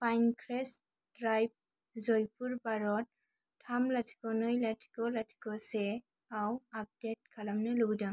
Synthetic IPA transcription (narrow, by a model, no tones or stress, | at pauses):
pʰajnkʰɾes | dɾajb̚ | zɔjpuɾbaɾɔt̚ːʰ | amlatʰi̥kɔnɯjlatʰi̥kɔlatʰi̥kɔse | awap̚det̚kʰalamnɯlɯbdaŋ